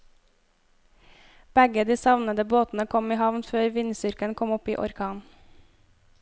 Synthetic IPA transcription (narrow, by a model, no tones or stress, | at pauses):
b̥ɛɡəd̪iːsɑʋnəd̪əboːt̪n̩əkʰɔmiːhɑʋnføːɾʋɪnsʏɾkənkʰɔmɔpḭːʔɔɾkʰɑːn